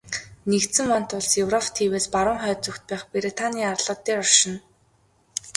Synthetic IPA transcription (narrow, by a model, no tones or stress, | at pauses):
nekt̪sɘ̆ŋwan̥t̪ʊɮsjewrɔpʰt̪ʰiːweːspaɾʊːŋχœːt͡sukt̪̚pæːχpeɾit̪ʰaniːarɮɔ̆ːt̪ːeːɔrʃɪ̆n